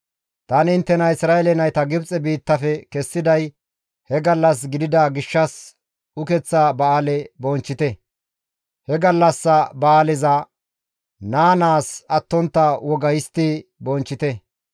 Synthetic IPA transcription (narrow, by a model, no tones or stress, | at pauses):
t̪ɐnɪɪnt̪ːɛnɐɪsɾaːɛlɛnɐjt̪ɐɡɪbt͡sʼɛbiːt̪ːɐfɛkɛsːɪd̪ɐj | hɛɡɐlːɐs̬ɡɪd̪ɪd̪ɐɡɪʃːɐs | ʊkɛt͡sːɐbɐaːlɛbɔnt͡ʃːɪt̪ɛ | hɛɡɐlːɐsːɐbɐaːlɛzɐ | naːnaːsɐt̪ːɔnt̪ːɐwɔɡɐjɪst̪ːibɔnt͡ʃːɪt̪ɛ